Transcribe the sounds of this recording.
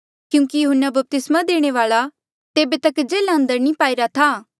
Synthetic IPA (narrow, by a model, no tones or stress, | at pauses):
kjũːkijʊɦənːabɐp̚t̪ɪsmad̪eːɽ̃eʋaːɭa | t̪eːbet̪ɐkd͡ʒeːlaɐ̃nd̪əɾnĩpaːiɾat̪ʰaː